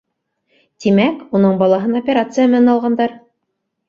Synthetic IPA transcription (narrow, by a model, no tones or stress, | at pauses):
t̪imækunɤɴbɑlˠɑɦɤnopʲeɾat̪sɨjamɘ̆nænɑlˠʁɑnd̪ɑɾ